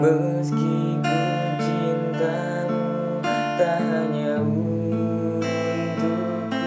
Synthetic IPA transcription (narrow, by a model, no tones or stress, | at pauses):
mə | ski | ku | t͡ʃi | nt̪a | u | t̪aɦaɲa | u | nt̪u